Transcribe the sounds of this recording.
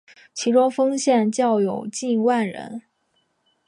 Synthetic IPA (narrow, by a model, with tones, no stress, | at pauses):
t͡ɕʰi˧˥ʈ͡ʂʊ˥ŋfɤ˥ŋɕjɛ˥˧nt͡ɕjɑ˥˩ʊjo˨˩ʊt͡ɕi˥˧nwa˥˩nɻə̰˧˥n